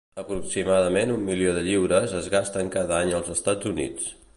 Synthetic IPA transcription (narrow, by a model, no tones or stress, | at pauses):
əpɾuksimaðəmenumːilioðəʎiwɾəzəzɣast̪əŋkaðəaɲəlˠzəst̪ad͡zunḭt͡s